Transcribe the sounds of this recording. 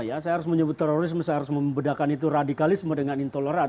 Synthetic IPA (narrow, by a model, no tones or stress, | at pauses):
jasajaɦaɾʊs̬məɲəbʊt̪ːɛɾoɾɪsməsajaɦaɾʊsməmbədakanit̪uradikalɪsmədəŋanint̪oləɾa